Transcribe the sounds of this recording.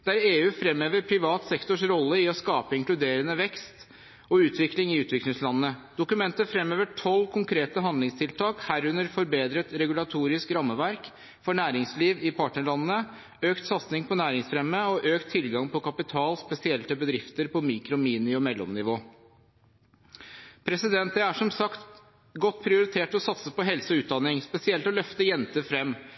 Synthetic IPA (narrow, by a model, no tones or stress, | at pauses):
d̪ɛææːɾeːʉːfɾɛmːøːʋəɾpʰɾɪʋɑːt̪sɛkt̪ʊʂɾɔlːəɪɔskɑːpəɪŋklʉd̪eːɾənəʋɛkst̪ | ɔʉːt̪ʋɪklɪŋɪʉːt̪ʰʋɪklɪŋslɑnəːəd̪̥ʊkʉmɛnt̪əfɾɛmøːʋəʈʰɔlːkʰʊŋkʰɾeːt̪əɦɑnd̪lɪŋst̪ʰɪlt̪ʰɑːkhæɾʉnəɾfɔɾbeːd̪ɾət̪ɾɛɡʉlɑt̪ʰuːɾɪskɾɑmːəʋæɾk | fɔɳæːɾɪŋsliːʋɪpʰɑːʈɳəɭɑnənə | øːkt̪sɑt̪snɪŋpɔnæːɾɪŋsfɾɛmːəɔʔøːkt̪ʰːɪlɡɑŋpʰɔkɑpɪt̪ʰɑːlspɛsɪɛlt̪əbəd̪ɾɪft̪əɾpɔmiːkɾʊmiːnɪɔmɛlːɔ̰mnɪʋoː | pʰɾɛsɪd̪ɛnt̪̚d̪ɛæʂɔmsɑkt̪ | ɡɔt̪ːpʰɾɪʊɾɪt̪ʰeːʈɔsɑt̪səpɔɦɛlsəɔʉːt̪̚d̪ɑnɪŋspɛsɪɛlt̪ɔlœft̪əjɛnt̪əfɾɛmː